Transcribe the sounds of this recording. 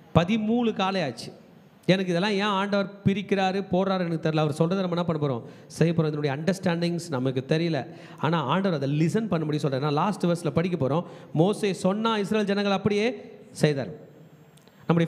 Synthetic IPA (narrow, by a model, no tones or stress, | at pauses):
pɐðɪmuːlɯkaːlɐjaːt͡ʃːɯ̥ | ɛnɐkːɪðɛlːãːẽːaːɳɖɐʋɐɾpɪɾɪkːɪɾaːɾɯpoːɾaːɾɛnɐkːɯt̪ɛɾɪlɐʋɐɾsɔlrɐðɐnɐmɐnːãːpɐɳːɐp̬oːɾõ̰ː | sɛjːɐp̬ːoːɾõɪðɐnʊɽɐjɐɐɳɖɐɾsʈaːɳɖɪŋsnɐmɐkːɯt̪ɛɾɪjɐlɐ̰ | a̰ːnaːaːɳɖɐʋɐɾɐðɐ̃lɪsɐnpɐɳːɯmɐɽj̃sɔlːraːnːãːlaːsʈʋɐɾsɪlɐpɐɽɪk̬ʲːɐpoːɾõːmoːseːsɔnːaːɪsɾɐːld͡ʒɛnɐ̃ŋɡɐɭɐpːɐɽɪjeːsɛjða̰ːɾ̃ | nɐmːɐɽj